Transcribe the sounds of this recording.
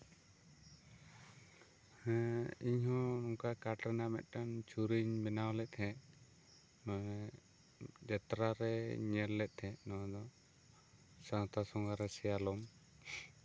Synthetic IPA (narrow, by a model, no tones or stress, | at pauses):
hɛiɲhɔ̃nɔŋkakaʈɾɛnamɛ̰t̪̚ˀʈant͡ʃuɾiɲbɛnawlɛt̪̚ˀt̪ʰɛ | d͡ʒɛt̪ɾaɾɛɲɛlːɛt̪̚ˀt̪ʰɛ̃ʔnɔd̪ɔ | sãt̪ʰasɔŋɡaɾɛsɛjalɔm